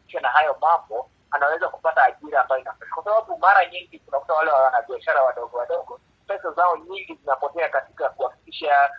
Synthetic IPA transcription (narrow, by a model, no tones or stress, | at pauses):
ʃanaɦajɔmambɔ | anawɛzaku̥pataːʄiɾaːmbajɔinafaʃḁkwasaɓaɓumaɾaɲiŋɡitunakutawalɛwawanaɓiaʃaɾawaɗɔɡɔwaɗɔɡɔ | pɛsazaɔɲiŋɡizinapɔtɛakati̥kakuafikiʃa